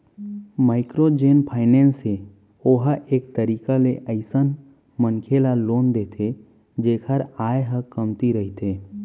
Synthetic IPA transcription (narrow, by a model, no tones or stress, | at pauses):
maːɪkɾod͡ʒeːnpʰaːɪnẽːnse | oːɦʔeːk̚t̪əɾiːkaleʔəɪsən | mənkʰelaloːnd̪eːt̪ʰe | d͡ʒeːkʰəɾaːeɦəkəmt̪iɾəɦit̪eː